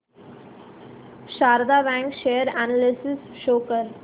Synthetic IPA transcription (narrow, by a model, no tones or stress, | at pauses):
ʃaːɾəd̪abæ̃ŋkʃeːəɾanalɪsɪsʃoːkəɾ